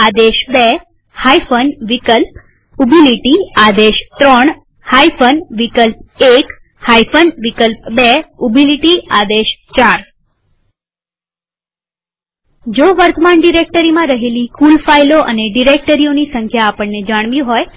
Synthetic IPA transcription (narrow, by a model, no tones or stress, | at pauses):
ad̪eʃbe | haifənʋikəlp̚ | ubiliʈiad̪eʃt̪ɾɔɳ | haifənʋikəlp̚ek | haifʰənʋikəlp̚beubʱiliʈiad̪eʃt͡ʃaɾ | d͡ʒoʋəɾt̪əmaɳɖiɾek̚ʈəɾimãɾəɦelikulfailoʔə̰neɖiɾek̚ʈəɾionisəŋkʰjaːpəɳned͡ʒaɽ̃ʋjĩɦoj